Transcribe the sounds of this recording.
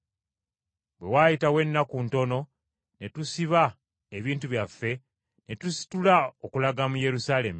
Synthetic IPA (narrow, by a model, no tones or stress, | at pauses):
bwe̞waːjitawe̞nːakunto̞no̞ | ne̞tusiβa | eβiːnt̬uβjafːe̞ | ne̞tusi̥tulao̞kulaɡamuje̞ɾusaːle̞mu